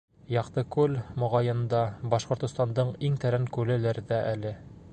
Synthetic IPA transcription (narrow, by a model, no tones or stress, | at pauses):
jɑqt̪ɤkʉlmŏʁɑjɤ̆nd̪ɑbɒʃqŏɾt̪ŏst̪ɑnd̪ɤɴiŋt̪æɾæŋkʉlɘ̆læɾd̪æʔælɘ